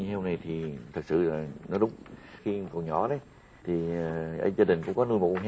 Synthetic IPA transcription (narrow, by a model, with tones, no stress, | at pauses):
he˧wna˨˩jt̪ʰi˨˩t̪ʰɨ˨˩k̚sɨ̰˧˨laː˨˩nɔ˨˦ɗʊ˨˦ŋ͡mxi˧˨kə˨˩ɲɔ̰˧˩˦ɗə˨˦j | t̪ʰi˨˩ə˨˩ʔə̰˧˦zaː˧ɗï˨˩ŋ̟kʊ̰˧˥ŋ͡mkɔ˨˦nu˧jm̰˨˧˩ɦ